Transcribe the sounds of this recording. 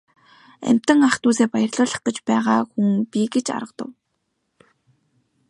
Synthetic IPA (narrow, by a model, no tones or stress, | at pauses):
æ̰m̥ʲt̪ə̆ŋaχt̪uːseːpajə̆rɮʊːɮə̆χt̪ə̆t͡ɕpæːʁaːxuŋpʲiɡet͡ɕa̰ɾə̆qt̪ə̰̆w